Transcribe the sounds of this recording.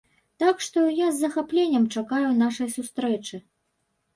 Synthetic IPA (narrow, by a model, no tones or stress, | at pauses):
t̪akʂt̪ɔjazːɐxaplʲenʲːɐmt͡ʂakajun̪aʂɐjsust̪ɾɛt͡ʂɨ